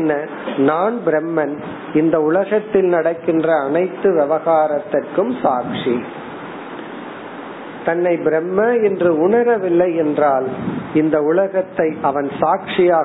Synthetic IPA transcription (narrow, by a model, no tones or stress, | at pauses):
nːɐ | naːɳbɪɾɛmːɐn | ɪnd̪ɐʊlɐɣɐt̪ːɪlnɐɽɐkːɪndrɐːnɐɪt̪ːɯʋɛʋɐɣaːɾɐt̪ːɐrkɯmsaːkʂi | t̪ɐnːɐɪbɪɾɛmːɐɛndrɯʊɳɐɾɐʋɪlːɐɪɛndraːlɪnd̪ɐʊlɐɣɐt̪ːɐɪʔɐʋɐnsaːkʂɪjaː